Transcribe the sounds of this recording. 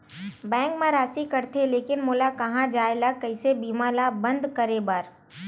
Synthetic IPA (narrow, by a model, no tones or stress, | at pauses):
bɛ̃ːŋkmãɾaːsikɐɾt̪ʰeleːkɪnmoːlakɐɦãd͡ʒaːelakɐɪsebiːmaːlabɐ̃nd̪kəɾebɐɾ